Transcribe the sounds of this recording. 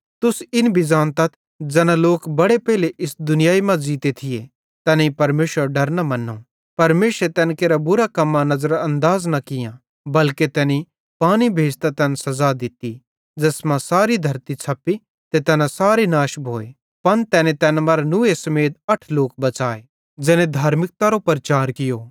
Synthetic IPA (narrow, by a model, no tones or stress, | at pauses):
t̪ʊsɪnbɪd͡ʒaːnt̪ɐt̪ʰ | d͡ʒɛːnãloːkbɐɽepɛɦleʔɪsd̪ʊnɪjaːimãd͡ʒiːt̪et̪ʰɪje | t̪ɛːnẽipɐɾmeːʃwəɾɖɐɾnamɐnːõː | pɐɾmeːʃɾet̪ɛːnkeːɾabʊɾakɐmːãnɐzəɾɐ̃nd̪aːznɐkɪjã | bɐlket̪ɛːni | paːñibʱeːd͡ʒt̪at̪ɛːnsɐzad̪ɪt̪i | d͡ʒɐsmãsaːɾid̪ʱɐɾt̪it͡sʰɐpi | t̪et̪ɛːnãsaːɾenaːʃbʱoːe | pɐnt̪ɛːnẽt̪ɛːnmɐɾnʊesɐmeːt̪ɐʈʰloːk̚bɐt͡ʃaːe | d͡ʒɛːnẽd̪ʱaːɾmɪk̚t̪aɾopɾɐt͡ʃaːɾkɪjoː